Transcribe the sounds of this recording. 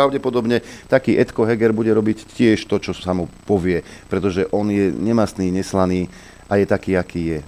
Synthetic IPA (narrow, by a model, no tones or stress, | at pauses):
aʊɟɛpɔd̪ɔbɲɛt̪akiːʔɛt̪kɔɦɛɡɛɾbuɟɛɾɔbiccɪɛʃt̪ɔt͡ʃɔsamupɔʋɪɛpɾɛt̪ɔʒɛʔɔnjɛɲɛmast̪niːɲɛslaniː | ajɛt̪akiːakiːjɛ